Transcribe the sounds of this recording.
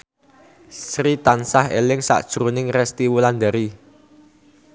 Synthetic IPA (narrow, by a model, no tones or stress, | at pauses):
srit̪ansaɦelɪŋsa̰ʔd̥ʒ̥ɾunɪŋrɛst̪iwuland̪aɾi